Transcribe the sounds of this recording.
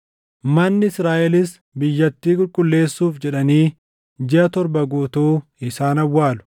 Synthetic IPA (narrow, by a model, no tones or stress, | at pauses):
mɐnːɪɪsɾaːʔɛlɪs | bɪjːɐt̪ːiːkʼʊlkʼʊlːe̞ːsːuːfd͡ʒɛᶑɐniː | d͡ʒɪɐt̪ɔɾbɐɡuːt̪uːɪsaːnɐwːaːlʊ̥